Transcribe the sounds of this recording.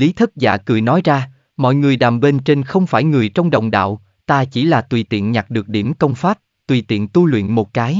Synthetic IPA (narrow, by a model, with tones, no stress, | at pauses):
li˨˦t̪ʰɨ˦˥k̚za̰ː˧˨˩kɨ̰˨˧˩jnɔ˨˦jzaː˧ | mɔ̰˧˨jŋɨ˨˩əjɗaː˨˩mɓe˧nt͡ɕe˧nxə˧wŋ͡mfaː˧˩jŋɨ˨˩əjt͡ɕɔ˧wŋ͡mɗə̰˧˨wŋ͡mɗa̰ː˧˨w | t̪aː˧t͡ɕi˧˩laː˨˩t̪wi˨˩t̪ḭ˧˨ənɲa˨˩t̚ɗɨ˨˩ək̚ɗi˧˩əmkə˧wŋ͡mfaː˦˥p̚ | t̪wi˨˩t̪ḭ˧˨ənt̪u˧lwḭ˧˨ənmo˨˩t̚kaː˨˦j